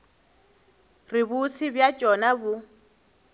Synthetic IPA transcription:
ribusʰibjat͡ʃʼɔnabu

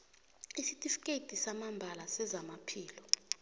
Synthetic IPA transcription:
isitʼifkʼetʼisamambʱalasɛzamapʰiːlɔ

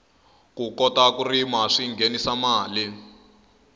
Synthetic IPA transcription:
kukɔtakurimaʂiŋɡʱenisamaːli

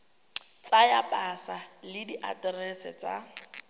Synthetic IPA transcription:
t͡sʼajapʼasalɪdiʔa̰tʼɛrɛsɛt͡sʼa

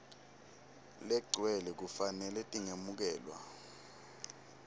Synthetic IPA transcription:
lɛɡ͡ǀʱwɛlɛk̬ufanɛlɛtʼiŋemuk̬ɛːlwa̰

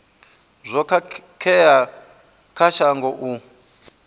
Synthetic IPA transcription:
zʷɔkakʰɛja | kʰaʃaŋɡɔʔu

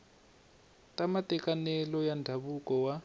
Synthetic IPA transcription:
tamatɛkanɛlɔjandʱaβukɔwa

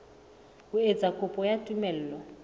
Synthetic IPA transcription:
kued͡zakʰʼʊpʼɔjatʼumɛl̩ːlɔ

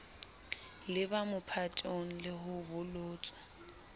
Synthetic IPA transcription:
lɪbamʊpʰatʼoŋ̩lɪhʊbʊlʊːt͡sʼɔ̥

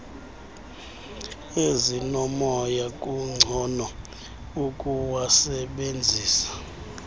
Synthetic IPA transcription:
ezinɔmɔjakʼuŋ͡ǀʱɔnɔ | ukʼuwasɛɓend͡zʱiːsḁ

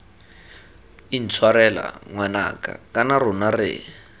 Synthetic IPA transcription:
in̩t͡sʰwaɾɛla̰ŋwana̰ka̰kʼanarʊnarɪ̰

